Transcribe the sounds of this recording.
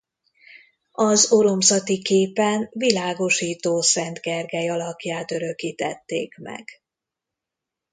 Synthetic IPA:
ɒzoɾo̞msɒt̪ikeːpɛnvilaːɡo̞ʃiːt̪oːsɛnt̪ɡɛrɡɛjɒlɒpjaːt̪øɾø̞kiːt̪ɛt̪ːḛːkmɛ̰ɡ̥

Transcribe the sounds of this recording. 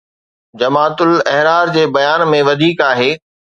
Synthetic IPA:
d͡ʑɐmaːt̪ʊlɛɦɾaːɾd͡ʑeːbɐjaːnmẽʋɐd̪ʱiːkaːɦeː

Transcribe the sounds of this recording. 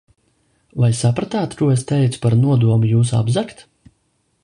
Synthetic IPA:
vajsapɾat̪aːt̪kuɔest̪ɛjt̪su̥paɾnuɔd̪uɔmujuːs̬a̰bzakt̪

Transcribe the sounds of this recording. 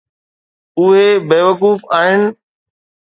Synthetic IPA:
ʊɦebeːʋəkuːfaːɦɪnɪ̆

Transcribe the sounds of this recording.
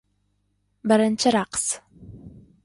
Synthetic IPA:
bɐɾɐnt͡ʃʰɐɾaːqs

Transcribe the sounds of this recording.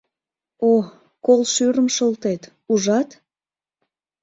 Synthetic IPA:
o | kolʃyɾəmʃəlˠt̪et̪ | uʒɑt̪

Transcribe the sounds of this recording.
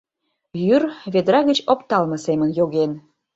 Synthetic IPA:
jyrβed̪ɾɑɣət͡ɕopt̪ɑlməsemənjoɣen

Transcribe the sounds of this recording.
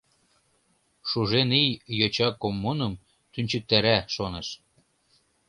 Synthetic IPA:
ʃuʒenijjot͡ɕɑkomːunɤ̆m | t̪ynʲt͡ɕə̆k̚t̪æɾæʃoneʃ

